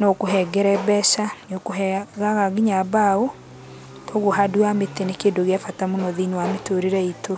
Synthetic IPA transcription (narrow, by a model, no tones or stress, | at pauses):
nɔkoɦɛɡɛɾɛbɛsaneokoɦɛɣaɣaɣiɲabao | tɔɣoɦaduametɛnekeːndoɣeafatamonɔðiniwametoɾeɾɛito